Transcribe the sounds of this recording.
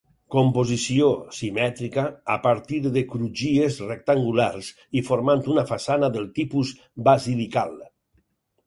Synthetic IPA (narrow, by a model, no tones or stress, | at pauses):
kompozisiosimɛt̪ɾikaːpaɾt̪iɾðekɾud͡ʒiezrek̚t̪aŋɡulaɾs | ifoɾmant̪unafasanaðəlˠt̪ipuz | bazilikalˠ